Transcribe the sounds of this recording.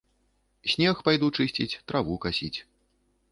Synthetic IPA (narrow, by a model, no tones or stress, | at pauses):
sʲnʲɛxpajd̪ut͡ʂɨsʲt͡sʲit͡sʲt̪ɾavukasʲit͡sʲ